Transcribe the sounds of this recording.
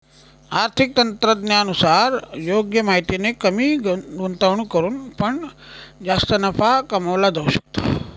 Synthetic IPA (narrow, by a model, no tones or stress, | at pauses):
aːɾt̪ʰik̚t̪ɐnt̪ɾəd̪njaːnusaːɾjoːɡjɐmaːɦit̪inekɐmiɡont̪aʋɳukɐɾunpɐɳd͡ʒaːst̪ɐnɐpʰakɐmaʋlad̪auʃɐ̥k̚t̪ḁː